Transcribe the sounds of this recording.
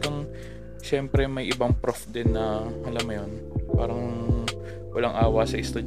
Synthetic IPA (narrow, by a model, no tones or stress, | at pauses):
kɐŋ | ʃɛmpɾɛmɐjʔɪbɐŋpɾofd̪ɪnːɐʔɐlɐmːɐjonpaːɾɐŋ | wɐlaŋʔaːwɐsɐʔɪst̪ud͡ʒ